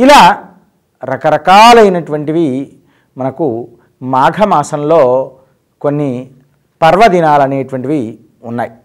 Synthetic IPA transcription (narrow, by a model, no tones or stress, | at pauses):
ilaː | ɾɐkɐɾɐkaːlɐjnɐʈuʋɐɳʈiʋi | mɐnɐku | maːɡʱɐmaːsɐmlo̞ː | konːi | pɐɾʋɐd̪inaːlɐneːʈuʋɐɳʈiʋi | unːaːj